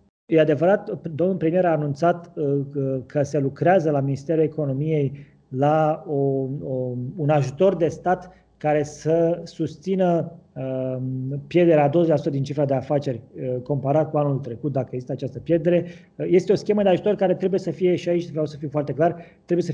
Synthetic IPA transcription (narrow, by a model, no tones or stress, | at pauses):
jead̪e̞vəɾat̪d̪o̞mnulpɾemijeɾaːnunt̪sat̪ | kʰəse̞lukɾeazəlaminist̪e̞ɾule̞ko̞no̞mije̞j | laoounaʒut̪o̞rd̪e̞st̪at̪ | kaɾe̞səsust̪sinəə | pje̞rd̪e̞ɾead̪ozelasut̪əd̪int͡ʃifɾad̪e̞afat͡ʃe̞rʲko̞mpaɾat̪̚kuanult̪ɾe̞kut̪̚d̪akəeɡzist̪at͡ʃast̪əpje̞rd̪eɾe̞ | je̞st̪eo̞skʲe̞məd̪eaʒut̪o̞rkaɾe̞t̪ɾe̞buje̞səfije̞ʃiait͡ʃʲt̪vɾjawsəfijfoart̪e̞klart̪ɾe̞bujesə